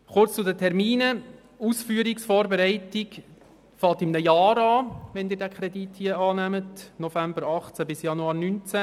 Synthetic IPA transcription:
χʊrt͡st͡sudətʰɛɾmiːnə | usfyːəɾiksfɔːɾbeɾɛɪtiɡ | fɑltimnəjɑːɾɑːʋɛnd̪ɪːɾdækʰɾɛdithiːəɑːnæmətnɔfæmbəɾɑχt͡sæbɪsjɑnuɑːɾnynt͡sæ

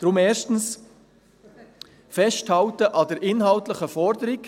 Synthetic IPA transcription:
d̥ɾʊmɛːʃtn̩s | fɛsthɑltəʔɑdəɾʔɪnɦɑltləχəfɔɾdəɾik

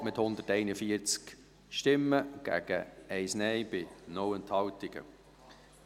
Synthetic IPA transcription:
mɪthʊnd̪ətɛɪnəfiəɾt͡sk | ʃtɪmːəɡ̥æ̰ːɡ̥əɛɪsnɛɪb̥ɪnɔwənthɑwtɪɡ̥ə̰

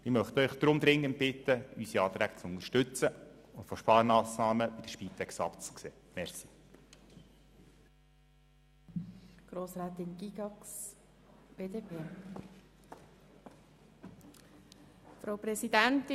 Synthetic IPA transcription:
ɪmœχt̪œʏχd̪̥ɾʊmd̪ɾɪŋːənt̚b̥ɪt̪əysiɑːt̪ɾæːɡ̥t͡sʊnərʃtʏt͡səʊntfoʃpɑːɾmɑːsnɑːməbid̥əʃpiːtʰɛksɑ̰pt͡skseːmɛrɾsi̥ | ɡ̥ɾoːsɾaːt̪ɪnɡiɡɑks | b̥eːdeːpʰeː | fɾawpɾɛsid̥æntɪ

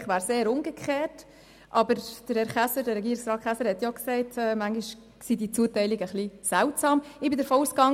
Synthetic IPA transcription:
χʋæːɾseːɾʊŋɡəkʰχeːt | ʔɑbəɾd̥əɾɛɾχæsədəɾɛɡiːɾɪksɾɑːtχæsəɾhɛtjɔksɛɪtʰɛːmæŋɡiʃ | sidit͡suːətɛɪlɪɡəχlisæʊtsɑːmɪbɪdəɾfɔuːskɑŋ

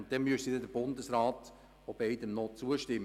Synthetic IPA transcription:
ntd̥̪ɛnmysidɛdəb̥ʊndəsɾɑːt̪ | ob̥ɛɪdəmnɔt͡suəʃtɪmː

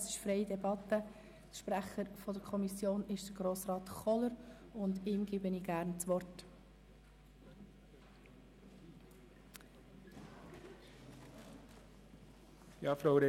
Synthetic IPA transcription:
sɪ̥ʃfɾɛɪdɛbɑt̪ːə | tʃpɾæχəɾfɔdəɾkʰɔmisjoːnɪʃd̥əɡ̥ɾoːsrɑːt̪χɔləɾ | ʊndɪːmɡɪbəniːɡ̥æɾnt͡sʋɔrt | jɑːfɾaʊɾe

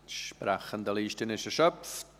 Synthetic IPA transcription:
ʃpɾaχəndəliːʃtənɪʃəʃœpf

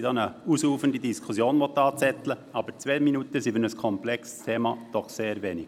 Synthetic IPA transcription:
dɑːnəusuːfəndidiskʰusjoːnʋɔt̪ːɑːt͡sɛt̪ləɑb̥əɾt͡sʋeːminutəsivɪnəskʰɔmplɛkst̪ʰeːmɑd̪̥ɔχseːɾvɛːnɪɡ̥

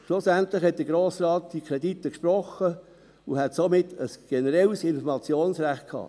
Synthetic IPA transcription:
ʃlʊsæntlɪxhɛt̚d̥əɡ̥ɾoːsrɑːt̚d̥ikʰɾeditːəkʃprɔχə | uhɛtsomɪtːəsɡ̥ɛnəɾɛlsɪnfɔɾmɑt͡sjoːnsɾæχt̚kʰhɑ̰ː

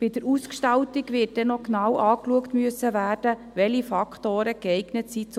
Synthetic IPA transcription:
b̥ɪd̥̪əɾuskʃtɑltiɡʋɪːt̚d̥ɛnɔknɑwɑːkluəktmyəsːəʋæːrd̥ə | ʋɛlifɑkχtoːɾəɡɛɪɡ̥nətsit͡s

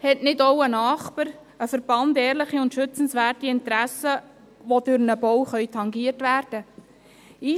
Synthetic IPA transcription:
hɛtnɪdowənɑːχpəɾ | əfəɾb̥ɑndɛːɾlɪχiʊntʃʏt͡sn̩sʋæːrtiɪntɾæsə | ʋod̥ʉɾnəbɔwχœʏɥtʰɑŋɡiərtʋæːrd̥ə | iː

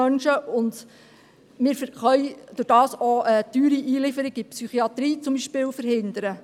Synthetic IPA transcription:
œnʃəʊnd̪ | mɪːɾfχœjd̥ʊɾd̥ɑːsɔət̪yːɾiʔiːlɪfəɾɪɡɪpsyχiɑt̪ɾiːt͡sʊmbiʃpɪːwfəɾhɪnd̪əɾə

